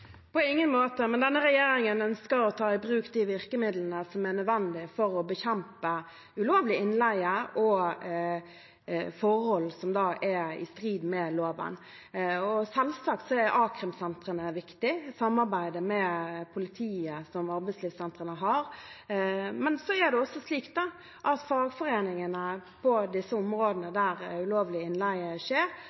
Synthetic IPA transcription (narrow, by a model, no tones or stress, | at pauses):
pʰɔɪŋːənmoːt̪əmɛnd̪ɛnːəɾɛjeːɾɪŋənœnskəɾɔt̪ʰɑːɪbɾʉːkd̪iʋɪʁkəmɪd̪lənəsɔmɛʁnœd̪ʋɛnd̪ɪfɔɾɔbəçɛmpə | ʉloːʋlɪɪnlæɪəɔ | fɔɾhɔlsɔmd̪ɑːʔɛɪ̰st̪ɾiːd̪mɛloːʋə̰n | ɔsɛlsɑk̚t̪sɔɛɾʔɑːkɾəmsɛnt̪ɾənəʋɪkt̪ɪsɑmːɑʁbæɪd̪əmɛpʰʊlɪt̪ʰiːəsɔmɑɾbæɪsliːfsɛnt̪ʁənəɦɑɾ | mɛnsɔæd̪ɛɔsːɔsliːkt̪̚d̪ɑ | ʔɑt̪fɑːɡfɔɾeːnɪŋənəpʰɔd̪ɪsːəɔmɾoːd̪ənəd̪æɾʉloːʋlɪɪnlæɪəʃeːɾ